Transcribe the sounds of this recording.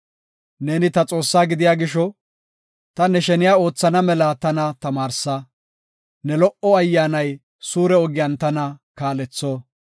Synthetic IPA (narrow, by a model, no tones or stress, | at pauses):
neːnɪt̪ɐt͡sʼo̞ːsːaːɡɪd̪ɪjaːɡɪʃɔ | t̪ɐnɛʃɛnɪjaːo̞ːt͡sːɐnɐmɛlɐt̪ɐnɐt̪ɐmaːɾsɐ | nɛlɔʔɔɐjːaːnɐj | suːɾɛɔɡɪjɐnt̪ɐnɐkaːlɛt͡sːoː